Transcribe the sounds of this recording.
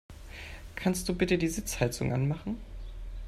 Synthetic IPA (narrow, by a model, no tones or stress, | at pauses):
kʰanst̚d̥uːbɪtədiːzɪt͡shalt͡sʊŋʔa̰nmaχn̩